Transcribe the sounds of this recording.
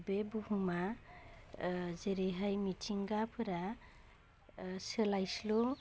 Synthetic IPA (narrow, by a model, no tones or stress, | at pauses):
bebuɦuma | zeɾeɦajmitʰiŋɡapʰɯɾa | selajslu